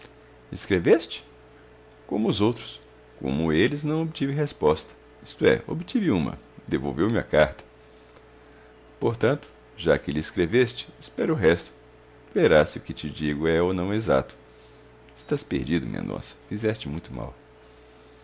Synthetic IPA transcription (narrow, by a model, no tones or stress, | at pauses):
ɪskɾevest͡ʃɪ̥ | kõmʊːzowt̪ɾʊ̥s | kõ̰mʊelɪznɐ̃w̃obɪt͡ʃ̪ivɪ̃ɦespɔst̪ɐ̥ | ist̪ʊɛ̰ʔo̰bɪt͡ʃ̪ivɪũmɐ̰ | d̪evo̰wvewmɪɐ̰kaɾt̪ɐ̥ | poɾt̪ɐ̃nt̪ʊ̥ | ʒakɪlɪːskɾevest͡ʃɪ̥ːspɛɾʊʊɦɛst̪ʊ̥ | veɾasɪʊkɪt͡ʃɪd͡ʒiɡʊɛonɐ̃w̃ɛeza̰t̪ʊ̥ | ɪst̪aspḛɾd͡ʒid̪ʊmḭḛ̃nd̪õ̰sɐ̥fizɛst͡ʃɪmũj̃t̪ʊma̰w